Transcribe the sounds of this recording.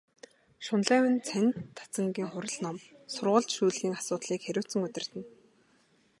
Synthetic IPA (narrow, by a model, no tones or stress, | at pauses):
ʃʊnɮæːwɘ̆nt͡sʰænʲt̪ʰːḁt͡sə̆ŋɡiːŋχʊɾə̆ɮnɔmsʊrʁə̆ɮt̪ʃuːɮɣiːŋasʊːt̪ɮiːkxæɾʲʊːwʰt͡sə̆ŋɵt̪ʲɪ̆r̥t̪ɘ̆n